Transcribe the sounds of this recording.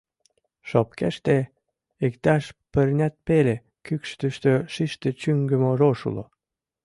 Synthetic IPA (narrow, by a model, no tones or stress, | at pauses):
ʃɑp̚kḛʃt̪e | ikt̪æʃpə̆rnʲæt̪̚pele | kykʃt̪əʃt̪øʃiʃt̪et͡ɕyŋɡə̆moroʃṵlo̰